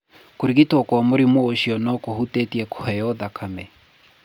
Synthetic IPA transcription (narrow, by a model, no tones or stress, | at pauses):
koɾiɣitɔkwamoɾimooʃiɔnɔkohutɛtiɛko̥hɛjɔðakʰamɛ